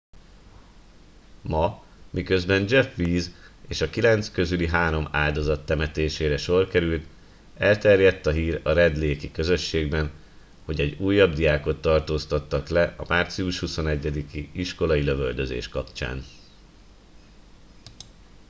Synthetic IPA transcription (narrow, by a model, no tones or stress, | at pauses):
mɒ | mikø̞zbɛnd͡ʒɛfʋiːzeːʃɒkilɛnt̪skø̞zyliɦaːɾo̞ma̰ːld̪o̞zɒt̪ːɛmɛt̪eːʃeːɾɛʃo̞rkɛɾylt̪ | ɛlt̪ɛrjɛt̪ːɒɦiːɾɒɾɛd̪leːkikø̞zø̞ʃːeːɡbɛn | ho̞ɟɛɟuːjːɒbd̪ijaːko̞t̪ːɒrt̪oːst̪ɒt̪ːɒklɛʔɒmart̪siuʃhuso̞nɛɟːɛd̪ikiiʃko̞lɒiløvøld̪øzḛːʃkɒpt͡ʃa̰ːn